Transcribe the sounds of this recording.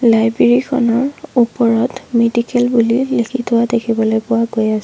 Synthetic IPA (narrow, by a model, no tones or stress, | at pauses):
lajbeɹikʰɔ̰nɔɹupɔɹɔtmedikɛlbulilikʰitʰʊwadekʰibɔlojpʊwaɡojasɛ